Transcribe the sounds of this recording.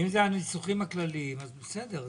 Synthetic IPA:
imzeanisuχimaklalimazbesed̪eʁ

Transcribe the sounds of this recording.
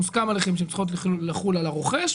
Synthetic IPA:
uskamaleχemʃ̬emt͡ssi̥χot̬lelaχulalaʁoχeʃ

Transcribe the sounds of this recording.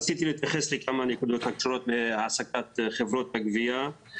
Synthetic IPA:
t͡sit̪ilet̪jaχeslikamanikud̪ut̪akʃoɾot̪meʕasakat̪χevɾot̪̚ːaɡvija

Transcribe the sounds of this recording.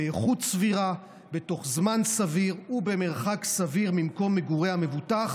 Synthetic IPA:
eeχutsviʁa | be̞to̞χzmansaviʁube̞me̞ʁχaksaviʁmimko̞mːeɡuʁehame̞vutaχ

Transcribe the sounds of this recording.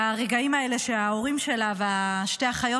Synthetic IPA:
aʁeɡaimaele̞ʃeao̞ʁimʃe̞lava | ʃte̞aχajo

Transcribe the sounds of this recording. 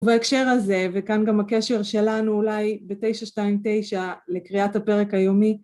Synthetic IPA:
vaekʃe̞ʁaze̞vekanɡamhakeʃe̞ʁʃe̞lanuːlajbete̞jʃaʃtaimte̞jʃale̞kʁiathape̞ʁekhajo̞mi

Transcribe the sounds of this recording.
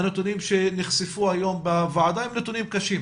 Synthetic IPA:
net̪unimʃeniχsifuajo̞mbavaʕad̪aimnet̪unimkaʃim

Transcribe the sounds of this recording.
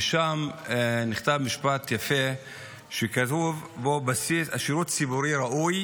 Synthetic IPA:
ʃamniχt̪avmiʃpat̪jafe | ʃekatuvbobasisaʃiɾut̪t͡sibuɾiɾaʔuj

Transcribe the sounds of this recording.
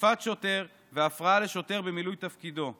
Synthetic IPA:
fat̪ʃo̞t̪e̞ʁ | veafʁaale̞ʃo̞t̪e̞ʁbemilujt̪afkid̪o̞

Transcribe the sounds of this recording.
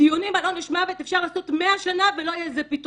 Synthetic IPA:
t̪ijunimalo̞neʃmavet̪efʃaʁlaːso̞t̪meaʃanavelo̞ajezepit

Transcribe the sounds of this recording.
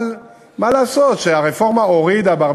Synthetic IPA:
l | malaːsot̪ʃeaʁefo̞ʁmaoʁid̪abaʁ

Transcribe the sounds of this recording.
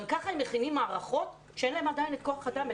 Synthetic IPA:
mkaχaemeχinimːaːʁaχo̞t | ʃeenlaemad̪ajinet̪̚ko̞aχad̪ambe

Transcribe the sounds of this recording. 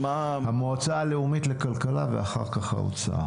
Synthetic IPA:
ahamoat͡saːle̞umitlekalkalavḛaχa̰ʁkaχha̰o̰t͡saʔa̰

